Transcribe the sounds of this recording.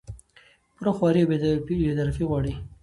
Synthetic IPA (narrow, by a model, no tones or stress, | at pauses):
puɾaxwɑɾiobed̪ibed̪aɾafiɣwɑɽi